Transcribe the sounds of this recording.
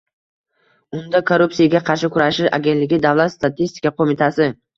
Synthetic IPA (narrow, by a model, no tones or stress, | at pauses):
ʊnd̪akʰoɾupsijaɡʲaqʰɑɾʃɪkʰʊɾaʃɪʃa̰ɡʲe̞nt̪lɪɡʲɪd̪avlˠat̪st̪at̪ʰist̪ɪ̥kaqʰomɪt̪ʰasɪ